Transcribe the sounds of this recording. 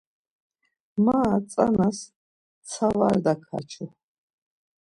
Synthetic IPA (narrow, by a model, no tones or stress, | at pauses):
mat̪t͡s̪ʼanas | t̪sʰavaɾd̪akʰa̰t͡ʃʰu